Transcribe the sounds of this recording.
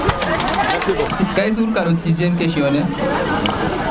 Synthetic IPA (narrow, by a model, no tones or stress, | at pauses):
sikːajs̬uɾkɐɾusiziemkeʃione